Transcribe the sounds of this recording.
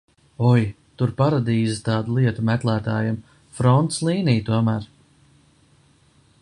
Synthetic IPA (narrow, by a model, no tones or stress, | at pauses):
ɔj | t̪uɾpaɾad̪iːzit̪ɑːd̪ulˠiɛt̪umɛklˠæːt̪a̰ːjim | fɾɔnt̪slˠiːnijt̪uɔmæːɾ